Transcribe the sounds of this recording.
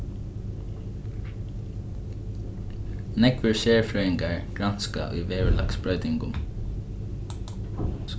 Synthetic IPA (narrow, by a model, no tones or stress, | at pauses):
nɛkʋəɹʃeːɹfɹœʏɪŋɡɑɹɡ̥ɹɑnskɑ̰ʔœ̰ːʋeːʋəlɑ̰kspɹœʉt̪ɪŋɡʊ̰m